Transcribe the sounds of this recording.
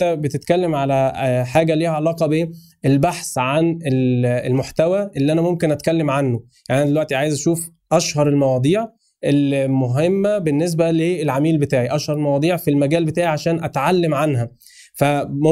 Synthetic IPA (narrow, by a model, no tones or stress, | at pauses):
æbet̪et̪kælːemʕalæħaːɡæliːhæʕalɑːqɑbe | elbaħsʕanelelmoħt̪æwæʔelːiʔænæmomkenʔæt̪̚kælːemʕanːojaʕniʔænæd̪elwæʔt̪iʕaːjezʔæʃuːf | ʔæʃhɑɾˤelmɑwɑːd̪ˤiːʕ | ʔelmoɦemːæbenːes̬bæleelʕamiːlbet̪aːʕiʔæʃhɑɾˤelmɑwɑːd̪ˤiːʕfilmæɡæːlbet̪aːʕiʕaʃæːnʔæt̪ʕalːemʕanɦæ | fæmo